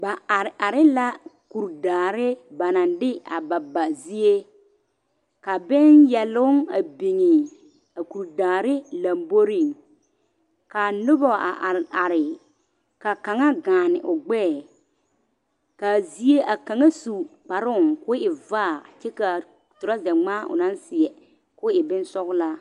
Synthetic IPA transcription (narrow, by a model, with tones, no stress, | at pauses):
ba˨a˨ɾɪ˦la˦ku˨ɾdaː˨ɾɪ˦ba˨na˨ndɪ˦a̰˨ba˨ba˨zi˦e˦ | ka˨bɪ˦njɛ˨lʊ˦ŋa̰˨bi˨ŋɪ˨ | a˨ku˨ɾdaː˨ɾɪ˦la˨mbo˦ɾi˦˨ŋ | ka˨nʊ˦bɔ˨a̰˨ʔa˨ɾɪ˨ | ka˨ka˨ŋa˦ɡaː˨nɪ˨ʔʊ˨ɡ͡bɛː˦˨ | ka˨zi˦e˦ʔa˨ka˨ŋa˦su˨k͡pa˨ɾʊ˦˨ŋkʊ˦ɪ˨vaː˦˨t͡ʃɛ˦ka˨ | tʊ˨ɾa˦zɛ˨ŋ͡maː˦ʔʊ̰˨nã˦nsɪ˨ɛ˨ | kʊː˦ɪ˨bɪ˦nsɔ˦ɣʊ˦laː˦